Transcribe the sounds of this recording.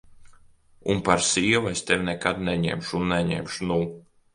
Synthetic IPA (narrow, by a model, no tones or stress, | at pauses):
unpaɾsiːɛvest̪ɛvʲnɛkad̪nɛɲɛ̰mʃunːɛɲɛ̰mʃunuː